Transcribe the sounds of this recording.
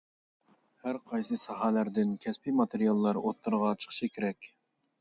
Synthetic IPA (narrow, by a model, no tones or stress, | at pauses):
hæɾqʰɑjsɨsɑɦɑlæɾd̪ɪnkʲʰɛspimɑt̪ʰeɾijɑlˠːɑɾot̪ːɨɾʁɑt͡ʃʰə̥χʃɨkʲʰeɾɛkʲ